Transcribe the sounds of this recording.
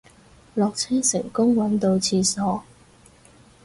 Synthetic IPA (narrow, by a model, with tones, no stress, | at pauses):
lɔː˨k̚t͡sʰɛː˥ŋsɪ̰˨˩ŋkʊ˥ŋwɐ˨˥nt̪o˧wt͡sʰiː˧sɔː˨˥